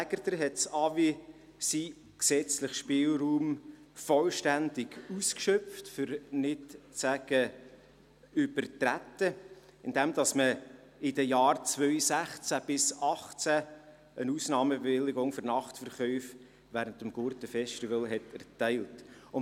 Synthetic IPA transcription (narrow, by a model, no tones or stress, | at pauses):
æɡ̥əɾdəɾɦɛtsɑvi | si | ksɛt͡slɪχʃpɪːlruːmfɔlʃtændɪɡ̥uskʃœftfʏɾnɪtt͡sæɡ̥ə | ʏb̥əɾtɾætːə | ɪndɛmd̥ɑsmə | ɪdəjɑːrt͡svœʏsæχt͡sæb̥ɪsɑχt͡sæ | ənusnɑːməbevɪlːɪɡʊŋfɔɾnɑχtfəɾχœʏf | væːɾəntəmɡ̥ʊɾtəfɛstivəlɦɛtɛɾtɛɪltʊn